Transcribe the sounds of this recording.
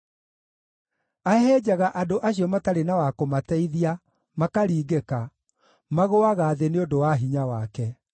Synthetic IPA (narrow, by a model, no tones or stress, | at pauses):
aɛhɛd͡ʑaɣaʔadoʔaɕiɔmataɾenawakomatɛiðia | makaɾiːɡeka | maɣoaɣaːðeneondowaɦiɲawakɛ